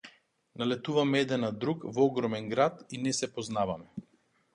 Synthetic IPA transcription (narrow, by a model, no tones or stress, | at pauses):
nalɛt̪uvamɛɛd̪ɛnad̪ɾukvɔɡɾɔmɛnɡɾat̪inɛsɛpɔznavamɛ